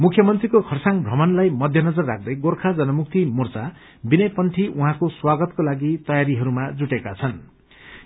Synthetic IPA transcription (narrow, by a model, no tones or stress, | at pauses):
mukʰjʌmʌnt̪rikokʰʌrsaŋbʱrʌmʌnlajmʌd̪ʱjʌnʌd͡zʌrːak̚ʰd̪ʌjɡorkʰad͡zʌnʌmuk̚t̪imurt͡sa | binʌjpʌnʈʰiʔuɦãkoswaɡʌt̪kolaɡit̪ʌjaɾiɦʌɾumad͡zuʈekat͡sʰʌn